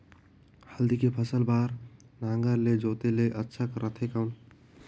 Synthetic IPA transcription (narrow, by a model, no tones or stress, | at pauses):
həld̪ikepʰəsəlbaːɾnaːŋɡəɾled͡ʒoːt̪eleʔətːʃʰakɾʔət̪ʰekaʊn